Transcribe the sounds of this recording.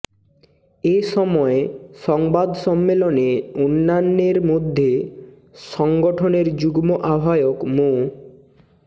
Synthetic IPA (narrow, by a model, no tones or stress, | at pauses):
esɔmɔesɔŋbad̪sɔmːelɔneunːanːeɾmod̪ʱje | sɔŋɡɔʈʰɔneɾd͡ʒuɡmɔʔabʱajɔkmo